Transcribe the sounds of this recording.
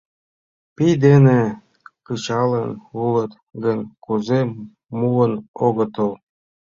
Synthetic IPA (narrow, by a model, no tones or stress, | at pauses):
pijd̪ene | kɯt͡ɕɑlənulət̪ | ɡənkuze | muənoɣə̆t̪əl